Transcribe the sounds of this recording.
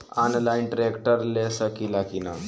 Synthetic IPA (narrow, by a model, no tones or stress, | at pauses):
anlajnʈɾekʈəɾlesəkilakina